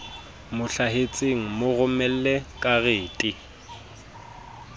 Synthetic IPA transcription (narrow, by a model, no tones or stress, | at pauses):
mʊɬaɦet͡sʼeŋ̩mʊɣʊmɛl̩lekʼaɣeːtʼɪ